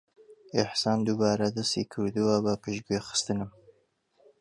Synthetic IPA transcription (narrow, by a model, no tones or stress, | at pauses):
ɪħsɑːnd̪ubɑːɾad̪ɐst̪ḭːkʰɨɾd̪uwabɐpʰɨʃɡuexɨ̥st̪ɨnɨm